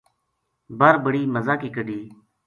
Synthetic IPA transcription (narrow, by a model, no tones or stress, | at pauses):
bəɾbəɽiːməzaːkiːkəɖiː